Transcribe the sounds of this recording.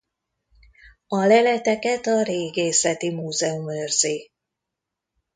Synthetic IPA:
ɒlɛlɛt̪ɛkɛt̪ɒɾeːɡeːsɛt̪imuːzɛumøːrz̥eː

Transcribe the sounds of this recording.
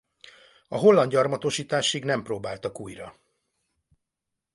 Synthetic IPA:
ɒɦo̞lːɒnd̪ɟɒrmɒt̪o̞ʃiːt̪aːʃiɡnɛmproːbaːlt̪ɒkuːjrɒ̰

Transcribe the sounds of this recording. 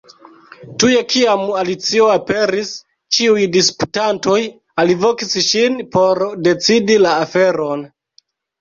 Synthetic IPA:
tuje̞kiamalit͡sio̞ape̞ɾis | t͡ʃiujdisputanto̞j | alivo̞kisʃinpo̞ɾde̞t͡sidilaːfe̞ɾon

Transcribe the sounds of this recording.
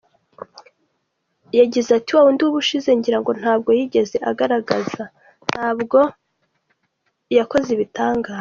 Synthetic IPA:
jaɟizatiwawunduβuʃize̞ɲɟiɾaŋɡo̞n̥haːb̚ɡo̞jiɟe̞ze̞ʔaɡaɾaɡaza | n̥haːbɡo̞ | jako̞zeβitaːŋɡaːz

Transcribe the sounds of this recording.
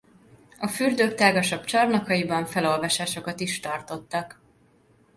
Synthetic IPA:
ɒfyrd̪øːk̚t̪aːɡɒʃɒbt͡ʃɒrnɒkɒjibɒɱfɛlo̞lvɒʃaːʃo̞kɒt̪iʃt̪ɒrt̪o̞t̪ːɒk

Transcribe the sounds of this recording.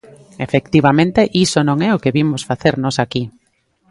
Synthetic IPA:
efekt̪iβ̞amẽnt̪eʔisonõŋɛʊkeβimʊsfaθeɾnɔsaki

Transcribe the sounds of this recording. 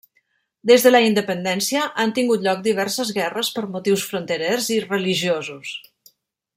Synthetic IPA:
d̪ezðələind̪əpənd̪ɛnsiəʔant̪iŋɡut̪ʎɔk̚d̪iβ̞ɛɾsəzɣɛrəspəɾmut̪iwsfɾunt̪əɾɛrzirəliʒiozus

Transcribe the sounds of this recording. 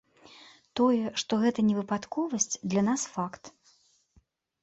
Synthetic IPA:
t̪ɔjɛʂt̪ɔɣɛt̪ɐnʲɛvɨpat̪kɔvɐsʲt͡sʲd̪lʲɐnasfakt̪

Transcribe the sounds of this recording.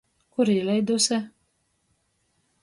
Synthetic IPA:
kuɾilʲɛjd̪usʲɛ

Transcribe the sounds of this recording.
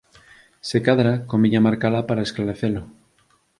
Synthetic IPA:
sekaðɾakomiʎamaɾkalapaɾaesklaɾeθelo

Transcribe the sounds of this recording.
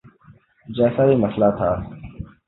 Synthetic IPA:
d͡ʒɛːsaːiːməslaːt̪ʰaː

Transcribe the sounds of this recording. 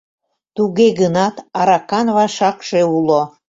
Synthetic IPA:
t̪uɣeɣənɑt̪ɑɾɑkɑnβɑʃɑkʃeulo

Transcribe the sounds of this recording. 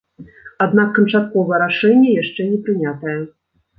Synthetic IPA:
ad̪nakːɐnt͡ʂat̪̚kɔvɐjɛɾaʂɛnʲːɛjaʂt͡ʂɛnʲɛpɾɨnʲat̪ɐjɛ

